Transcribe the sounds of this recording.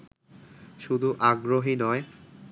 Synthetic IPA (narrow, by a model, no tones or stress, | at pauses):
ʃud̪ʱuʔaɡɾoɦinɔe